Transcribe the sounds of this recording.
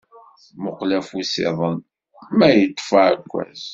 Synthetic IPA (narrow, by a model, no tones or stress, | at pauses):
mʊqlæfusḛðˤən | mæjət̪ˤːfaʕækʷːæ̰z